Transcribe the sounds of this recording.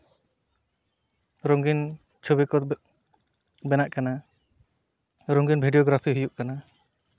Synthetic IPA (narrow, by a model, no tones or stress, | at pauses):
ɾɔŋɡin | t͡ʃʰubikɔ | bɛnaʔkana | ɾɔŋɡinbʱiɖijɔɡɾapʰiɦujuʔkana